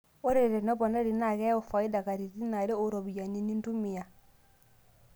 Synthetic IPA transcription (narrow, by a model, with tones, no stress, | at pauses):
o˦ɾe˦˨ɾe˨nɔ˦bɔ˨na˦ɾi˨na˨ɣɛ˦o˨fa˨i˦da˨ka˨ɾi˨ɾi˦na˨ɾe˦o˦˨ɾɔ˨bi˨ja˨ni˨ni˦n˦du˦mi˨ja˨